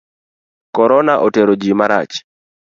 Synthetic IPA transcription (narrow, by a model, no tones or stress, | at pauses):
kɔɾɔnaʔoteɾod͡ʒimaɾa̰t͡ʃ